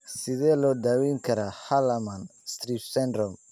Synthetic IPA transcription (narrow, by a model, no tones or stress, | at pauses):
sɪðɛːlɔːd̪aːwɛŋkʰɐɾahɐlɐmɐnst̪ɾifsɛnd̪ɾɔm